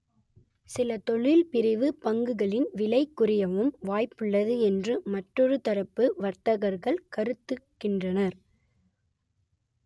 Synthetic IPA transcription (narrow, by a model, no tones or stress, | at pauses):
sɪlɐt̪ɔɭɪlpɪɾɪʋɯpɐŋɡɯɣɐɭɪnʋɪlɐɪkːʊrɪjɐʋɯmʋaːjpɯɭːɐðɯɛndrɯmɐʈrːɔɾɯt̪ɐɾɐpːɯʋɐɾt̪ɐɣɐɾɣɐɭkɐɾɯt̪ːɯkːɪndrɐnɐɾ